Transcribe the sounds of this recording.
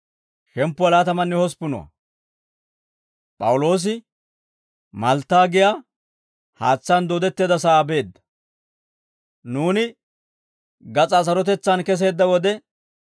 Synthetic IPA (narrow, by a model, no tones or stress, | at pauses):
ʃɛmpːʊɐlaːt̪ɐmɐnːɛhɔspʊnɔ̰wɐ̰ | pʼɐ̰wʊlo̞ːs̬ɪ | mɐlt̪ːaːɡɪjaː | haːt͡sːand̪oːd̪ɛt̪ːeːd̪ɐs̬ɐːbe̞ːd̪ːɐ̥ | nuːnɪ | ɡɐt͡sʼas̬ɐɾɔt̪ɛt͡sːɐnkɛs̬e̞ːd̪ːɐwɔd̪ɛ